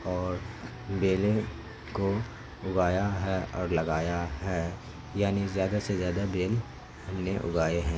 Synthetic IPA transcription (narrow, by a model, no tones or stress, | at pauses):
ɔːɾ | beːle | ko | ʊɡaːjaɦɛɔːɾlɐɡaːjaɦɛː | jaːnizjaːd̪asezjaːd̪abeːl | hɐmneʔʊ̰ɡaːeɦɛ̃ː